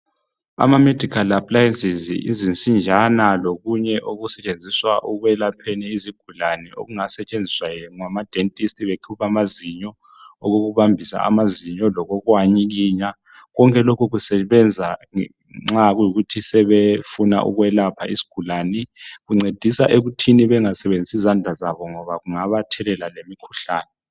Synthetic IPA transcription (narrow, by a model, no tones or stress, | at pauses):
a̰mamed̥ʱikʰalapʰʼlajensizḭzint͡sʼind͡ʒʱanaloɣuɲɛʔoɣusɛt͡ʃʼend͡zʱiswaʔuɣwɛlapʰɛnɛiziɡ̥ʱulanɛo̰ɣuŋasɛt͡ʃʼend͡zʱiswajɛŋwamad̥ʱentʼistʰʼiβekʰupʰamaziɲɔ | ɔɣoɣuβambʱisa̰ʔa̰maziɲɔlɔɣɔɣwaɲik̬iːɲa | ɣɔŋkʼɛlokʰuɣ̬usɛβɛnd͡zʱa | ŋ͡ǁaɣujiɣutʰisɛβefuna̰ʔṵɣwɛlapʰaḭsi̥ɡ̥ʱulanɛɣuŋ͡ǀed̥ʱisaʔeɣutʰiniβɛŋasɛβend͡zʱisizandʱazaβɔŋɔβaɣuŋaβatʰɛlɛlalemikʰuɬaːnɛ